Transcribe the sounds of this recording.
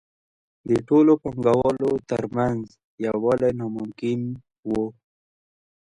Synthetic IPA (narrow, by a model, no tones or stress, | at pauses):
d̪əʈolopaŋɡawɑlot̪əɾmanz | jawɑlenɑmʊmkɪn | wo